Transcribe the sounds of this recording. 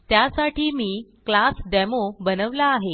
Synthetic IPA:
t̪jasaʈʰiːmiːklasɖɛmobənəʋlaːɦe

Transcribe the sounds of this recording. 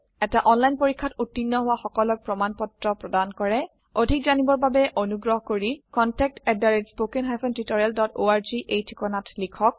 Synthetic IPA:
ɛtaʔɔnlajnpoɹikʰːatutːinːɔɦʊwaxɔkɔlɔk̚pɹɔmanpɔtɹɔpɹɔdankɔɹɛ | odʱik̚zanibɔɹbabɛʔonuɡɹɔɦɔkoɹikɔntɛk̚tɛdaɹetspokɛnɦajpʰɔntitɔɹialdɔtoaɹziʔejtʰi̥kɔnatlikʰɔk̚

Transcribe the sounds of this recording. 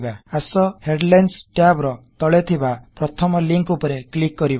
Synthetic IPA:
baasɔheɖlansʈjabɾɔt̪ɔɭet̪ʰibapɾɔt̪ʰɔmɔliŋkupɔɾeklikːɔɾiba

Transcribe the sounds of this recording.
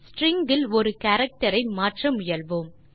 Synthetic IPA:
sʈɾɪŋɡɪlɔɾɯkɐɾɐk̚ʈɐɾɐɪmaːʈrɐmʊjɐlʋɯːm

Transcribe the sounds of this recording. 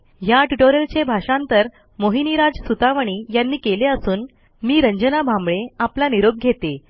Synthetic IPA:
jaʈuʈoɾəlt͡ɕebʱaʂãnt̪əɾ | moɦiniɾad͡zsut̪aʋəɳ̃iːjanːiːkeleəsuːn | miːɾəɲd͡ʑənabʱambɭeaplaniɾoɡ̚ɡʱet̪e

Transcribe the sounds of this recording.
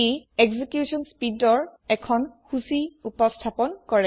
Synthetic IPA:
eeɡzikjusɔnspidɔɹɛkʰɔnxusiupɔstʰapɔnkɔɹɛ

